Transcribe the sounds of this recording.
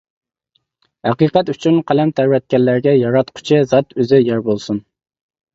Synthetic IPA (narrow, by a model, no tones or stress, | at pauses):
hæqiːqɛt̪yt͡ʃʰynqʰælɛmt̪ʰæɾvɛt̪̚kʲɛlːæɾɡʲɛjɑɾɑt̪qʰʊ̥t͡ʃʰɪzɑt̪øzɪjæɾbolˠsun